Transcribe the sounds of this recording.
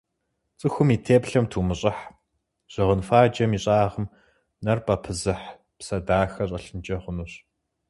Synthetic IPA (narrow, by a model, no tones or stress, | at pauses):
t͡sʼɨxʷʊmiːtʰeːpɬɐmtʰuːmɨɕʼɐħ | ʑ̥ɪʁənfaːd͡ʒɐmiːɕʼaːʁəm | nɐrpʰɐpʰɨzɨħ | psɐdaːxɐɕʼɐɬɨnd͡ʒɐχʷʊnuːɕ